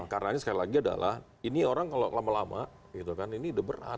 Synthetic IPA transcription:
karaɲasəkalilaɡiada̰lʔa̰h | inioɾaŋkalolamalama | ɡit̪ukaniniːdabəɾa̰t̪̚

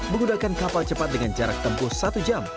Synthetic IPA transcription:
məŋɡudakankapalt͡ʃəpat̪̚dəŋand͡ʒaɾak̚t̪əmpusat̪ud͡ʒam

